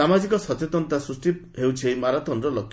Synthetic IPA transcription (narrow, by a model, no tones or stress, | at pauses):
amad͡ʒikɔsɔt̪et̪ɔnt̪asɾusʈit̪ɦewt͡ʃʰejmaɾat̪ɔnɾɔlɔkʰː